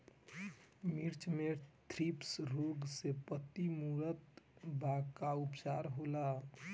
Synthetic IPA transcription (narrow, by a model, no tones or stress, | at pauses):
miɾt͡ʃmet̪ʰɾipsɾoɡsepət̪imuɾət̪bakaupsaɾɦola